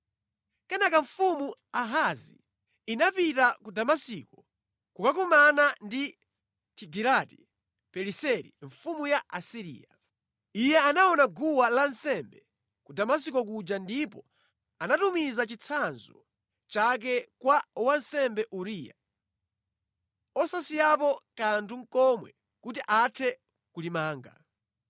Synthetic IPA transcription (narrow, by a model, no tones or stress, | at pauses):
kɛnakaɱfumuaɦazḭ | inapitakudamasikɔ | kukakumanandi | kʰiɡiɾati | pɛɾisɛɾḭɱfumujaʔasiɾḭːa | ijɛanaɔnaɡuwalansɛmbɛ | kudamas̬ikɔkud͡ʒandipɔ | anatumizat͡ʃit͡sʰanzɔ | t͡ʃak̬ɛkwawansɛmbɛʔuɾija̰ | ɔsasijap̬ɔkantʰuŋ̩kɔmwɛ̰ | kutiʔatʰɛ | kulimaːŋɡa̰